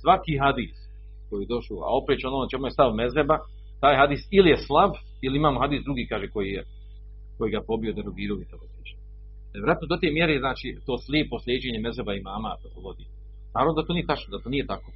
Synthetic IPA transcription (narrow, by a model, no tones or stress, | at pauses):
sʋakiːɦad̪iːs | kojijed̪o̞ʃoa̰o̞pɾeːt͡ʃo̞noːnat͡ʃe̞mujest̪aʋme̞zeba | t̪aːjɦad̪iːsilijeslˠab | iliimaːmoɦad̪iːsd̪ɾuɡiːkaːʒeko̞jije | ko̞jiːɡapo̞bijo̞d̪eɾoɡiːɾoʋit̪eopiːt͡ʃ | jeɾat̪nod̪ot̪eːmje̞ɾeznaːt͡ʃit̪o̞ːslʲjeːpo̞slʲjeːd͡ʑeːɲemezebaimaːma | ʋod̪i | naːɾavnod̪at̪oːnijet̪at͡ʃnod̪at̪onijet̪akoː